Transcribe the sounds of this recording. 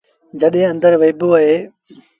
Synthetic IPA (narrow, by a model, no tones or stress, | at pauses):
d͡ʒəɗɦẽːə̃nd̪əɾʋeːbuːəɦeː